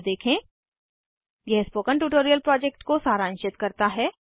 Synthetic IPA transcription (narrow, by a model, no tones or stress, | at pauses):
d̪eːkʰẽ | jɛɦspoːkəɳʈuːʈoːɾijəlpɾɔːd͡ʒek̚ʈkosaːɾãːnʃɪt̪kɐɾt̪aɦɛː